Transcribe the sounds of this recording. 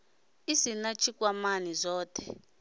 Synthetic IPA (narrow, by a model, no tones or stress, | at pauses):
izinat͡ʃʰʼik̬ʼwamanizɔːtʰʼɛ̰